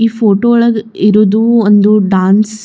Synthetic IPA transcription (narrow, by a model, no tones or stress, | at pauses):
iːfʰoːʈoːɭɐɡiɾud̪uond̪uɖaːns